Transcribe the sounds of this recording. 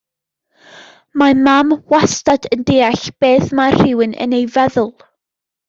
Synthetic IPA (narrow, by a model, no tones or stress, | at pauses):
mamamwastadəndeːaɬb̥eːθmar̥ɪwɨnə̰nejvɛðʊlˠ